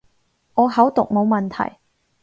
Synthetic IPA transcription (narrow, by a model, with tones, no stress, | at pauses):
ʔɔː˨˧ɦɐ˨˥wt̪ʊ˨k̚mo˨˧wmɐ˨nt̪ʰɐ̰˨˩j